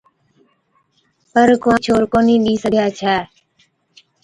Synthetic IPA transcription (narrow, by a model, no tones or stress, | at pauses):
pəɾkʋãt͡ʃʰoːɾkoːnĩːɗiːsəɡʱjaːt͡ʃʰaː